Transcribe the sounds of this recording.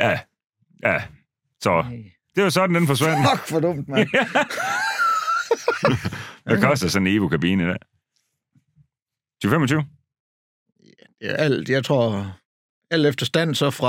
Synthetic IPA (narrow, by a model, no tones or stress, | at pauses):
jæ | jæ | sɒ | d̥e̝asɒ̽d̥n̩d̥enfɒ̽sʋæn̰ɡ̥fɒdɔm̰d̥m | mækʰɒ̽sd̥ɐsɒnne̝ːʋokʰæb̥ḭːnəid̥ɛ̰ː | t͡sʰyːʊfem̰ɒt͡sʰyːʊ | jæd̥e̝æʔæl̰d̥jɑ̈ɪt͡sʰʁo̝ɐ̰ | æl̰d̥efd̥ɐsd̥æn̰sɒ̽fʁɑ